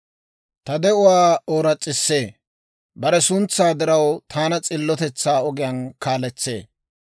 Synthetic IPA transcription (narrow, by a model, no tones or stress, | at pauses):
t̪ɐd̪ɛʊwaːoːɾɐt͡sʼːɪsːe̞ː | bɐɾɛsʊnt͡sːaːd̪ɪɾɐwt̪ʰaːnɐt͡sʼɪlːɔt̪ɛt͡sːaːɔɡɪjɐnkaːlɛt͡sːe̞̰ː